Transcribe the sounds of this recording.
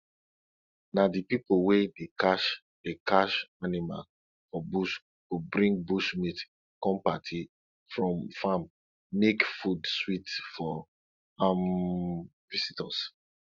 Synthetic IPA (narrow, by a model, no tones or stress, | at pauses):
nadipipowedekaʃ | d̥ekaʃanima̰l | fɔbuʃ | tobɹĩŋɡ̚buʃmit | kɔ̃mpatʰi | fɹɔ̃mfam | mekfudswitfɔ | am | visitɔs